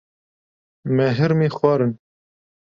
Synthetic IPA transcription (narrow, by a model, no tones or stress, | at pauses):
mɛɦɨɾmiːxwɑːɾɨn